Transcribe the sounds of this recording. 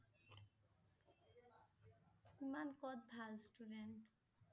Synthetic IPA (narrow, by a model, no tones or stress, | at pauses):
imankɔt̪̚bʱalsʈuɖenʈ